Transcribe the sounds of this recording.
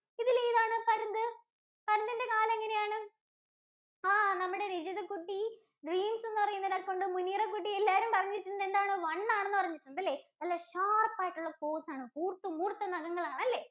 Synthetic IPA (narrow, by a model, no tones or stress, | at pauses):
iðileiðaːɳɨpɐɾɐnd̪ɨ | pɐɾɐnd̪inde̞kaːlɐeŋːɐne̞jaːɳɨ | aːnɐmːuɽe̞ɾid͡ʑɐðɐkːuʈːi | ɖriːmse̞nːɨpɐrɐjːunːɐðɐko̞ɳɖɨmunːijrek̬ːuʈːielːaːɐɾumpɐrɐɲːiiʈːunːɐðend̪aːɳoʋɐɳːaːɳenːɨpɐrɐɲːiiʈːunːɐðɐlːeːnɐlːɐɕaːrpːaːjiʈːuɭːɐko̞ːsaːɳɨkuːrt̪ːumkuːrt̪ːɐnɐɣɐŋːɐɭaːɳɐlːe̞ː